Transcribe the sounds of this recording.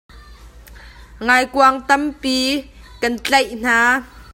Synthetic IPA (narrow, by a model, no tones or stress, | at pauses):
ŋajkuaŋt̪ɐmpiːkɐnt͡ɬejn̥aː